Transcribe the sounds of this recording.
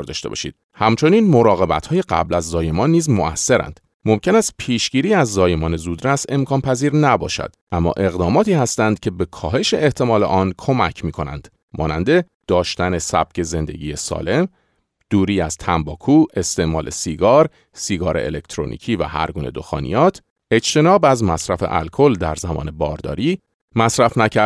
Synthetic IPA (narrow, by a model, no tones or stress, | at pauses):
ɾd̪ɒːʃt̪e̞bɒ̰ʃḭd̪̥ | hæmt͡ʃʰo̞niːnmo̞ɾɒːɣe̞bæt̪ʰhɒːje̞ɢæ̰blæzːɒːje̞mɒːnːiːzmo̞æsːe̞ɾæ̰nd̪̥ | mo̞mcʲʰe̞næst̪̚pʰiːʃɟiːɾiːæzːɒːje̞mɒːne̞zuːd̪ɾæse̞mkʰɒːnpʰæziːɾnæbɒ̰ːʃæ̰d̪̥ʔæmːɒ̰ːʔe̞ɣd̪ɒːmɒːt̪ʰiːhæst̪ænd̪̥̚cʰe̞be̞kʰɒːɦe̞ʃe̞ːht̪ʰe̞mɒːle̞̰ʔɒːnkʰo̞mæcʰmiːkʰo̞næ̰nd̪̥ | mʔɒ̰ːnænd̪e̞ | d̪̥ɒːʃt̪æne̞sæ̰b̥̚cʰe̞ze̞nd̪e̞̰ɟḭːjesɒ̰ːle̞m | d̪̥uːɾiːæz̥t̪ʰæmbɒːkʰuːʔe̞st̪e̞ʔmɒːlʔe̞̰siːɡɒːɾ | siːɡɒːɾe̞̰ʔḛlekt̪ʰɾo̰nḭːcʰiːvæ̰hæ̰ɾɡuːne̞̰d̪o̞̰xɒ̰ːnḭjɒːt̪ʰ | e̞t͡ʃt̪ʰe̞nɒːbæzmæsɾæfe̞̰ʔæ̰lkʰo̞ld̪æɾzæmɒ̰ːne̞bɒːɾd̪ɒ̰ːɾiː | mæsɾæfnæcʰæɾ